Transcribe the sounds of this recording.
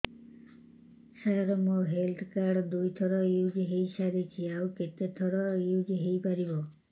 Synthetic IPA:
saɾɔmoɦelt̪ʰkaɾɖd̪ujt̪ʰɔɽɔjud͡ʒɦejsaɾit͡ʃʰiawket̪et̪ʰɔɽɔjud͡ʒɦejpaɾibɔ

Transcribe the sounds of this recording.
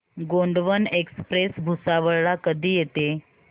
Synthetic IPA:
ɡoɳɖʋənekspɾesbʱusaʋəɭɭakəd̪ʱiːjet̪e

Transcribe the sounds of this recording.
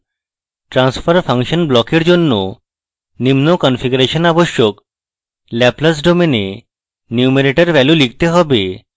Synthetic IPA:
ʈɾanspʰaɾpʰaŋʃɔnblɔkeɾd͡ʑonːo | nimnokɔnfʰiɡuɾeʃɔnaboʃjok | lɛplas̬ɖomene | njumeɾeʈaɾbɛlulikt̪eɦɔbe

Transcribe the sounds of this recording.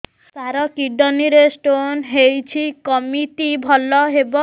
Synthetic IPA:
t̪aɾɔkiɖɔniɾesʈonɦejt͡ɕʰikɔmiʈibʱɔlɔɦebɔ

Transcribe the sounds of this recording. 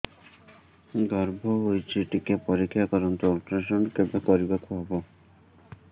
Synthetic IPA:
ɡɔɾbʱoɦojt͡ɕʰiʈikepoɾikʰːakɔɾont̪ɔlʈɾaʃonkebakoɾibakbʱɔbo

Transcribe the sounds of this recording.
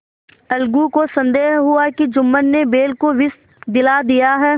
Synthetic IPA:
ɐlɡukosɐ̃nd̪eːɦɦʊakid͡ʒʊmːənːebeːlkoʋɪs | d̪ɪlad̪ijaɦɛː

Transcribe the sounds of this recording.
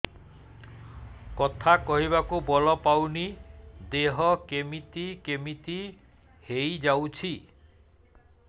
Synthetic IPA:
kɔt̪ʰakɔɦiβakubɔlɔpawnid̪eɦɔkemit̪ikemit̪i | hejd͡ʒawt͡ʃʰi

